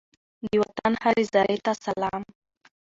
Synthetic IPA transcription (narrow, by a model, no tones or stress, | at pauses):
d̪əwat̪anhaɾezɑɾet̪asalɑm